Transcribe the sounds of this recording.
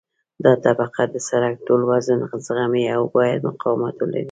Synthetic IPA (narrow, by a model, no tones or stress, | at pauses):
d̪ɑt̪abaqad̪əsaɾak̚ʈolwazunzɣamiawbɑjad̪mʊqɑwmat̪wəla̰ɾi